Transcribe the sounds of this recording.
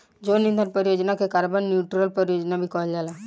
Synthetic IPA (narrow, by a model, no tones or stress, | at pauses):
d͡ʒonind̪ʱaɾpəɾijod͡ʒnakekaɾbənːjuʈɾəlpəɾijod͡ʒnabʱikɔɦld͡ʒala